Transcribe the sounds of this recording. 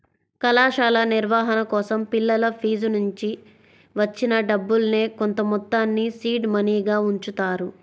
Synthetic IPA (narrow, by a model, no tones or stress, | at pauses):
kɐlaːʃaːlɐniɾʋaːɦɐnɐkɔːsɐmpilːɐlɐpʰiːd͡ʒunuɲt͡ʃi | ʋɐt͡ʃːinɐɖɐbːulne̞ːko̞nt̪ɐmɔt̪ːaːnːisiːɖmɐniːɡaːuɲt͡ʃut̪aːɾu